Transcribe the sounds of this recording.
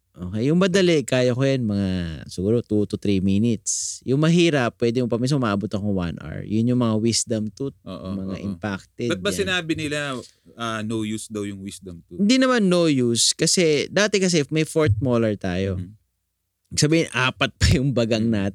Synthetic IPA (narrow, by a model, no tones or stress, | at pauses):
ʔoːkɛjʊŋbɐd̪ɐlɛkaːjɐkojɐnmɐŋasɪɡuːɾo̞t̪ut̪ʊt̪ɾiminɪt̪sjʊŋmɐɦiːɾɐpːwɛd̪ɪmopɐmis̬momɐaːʔɐbot̪ɐkowa̰nʔa̰ɹjʊnjʊŋmɐŋawisd̪ɐmt̪ut̪̚oʔmɐŋa̰ʔɪ̰mpak̚t̪ɛdɐt̪̚bɐsɪnaːbɪnɪla | anowjusd̪ɐwjʊŋwisd̪ɐmt̪uɪnd̪inɐmanːowjuskɐsɛd̪aːt̪ɛkɐs̬ɛmɐjfoɹt̪̚molɐɹt̪aːjo̞ | ʔɐɡ̚sɐbiːhɪnʔaːpɐt̪̚pɐjʊŋbɐɡɐŋnaːt̪